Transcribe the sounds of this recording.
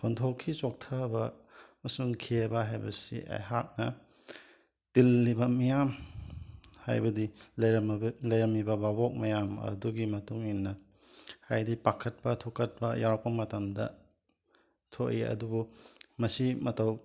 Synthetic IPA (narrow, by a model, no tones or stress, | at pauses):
kʰontʰokʰːit͡ʃok̚tʰabɐmɐsuŋkʰebɐɦajbɐ̰sḭʔa̰jɦak̚nɐ | tilːibɐmɐjam | ha̰jbɐdilɐjɾɐmlɐjɾɐmibɐbabok̚mɐjamɐ̰duɡimɐtuŋinːɐ | hajdipakʰɐt̚pɐtʰokɐt̚pɐjaɾk̚pɐmɐtɐmdɐ̰ | tʰoʔiɐ̰dubumɐsimɐtɐw